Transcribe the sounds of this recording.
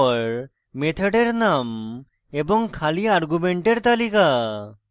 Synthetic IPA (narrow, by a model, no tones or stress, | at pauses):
ɾ | met̪ʰeɖeɾnam | ebɔŋkʰaliaɾɡumeɳʈeɾt̪alika